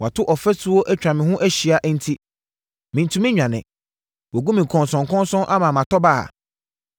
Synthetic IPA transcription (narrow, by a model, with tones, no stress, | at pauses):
wa˨tʰʊ˦ʔɔ˨fɛ˦sʊ˦wɔ˦ʔæ˦t͡ɕᶣɾã˨mɪ̃˨ɦʊ̃˦ʔæ˦ɕi˨a˨ʔn̩˦tʰi˦ | mɪ̃˨n˨tʰũ˨˦mɪ̃˦ɲᶣã˨nɪ̰̃˨ | wɔ˨ɡu˦mĩ˨kʰɔ̃˨nsɔ̃˨ŋkʰɔ̃˦nsɔ̃˦nʔa˦mã˨mã˨tʰɔ˦ba˦a̰˨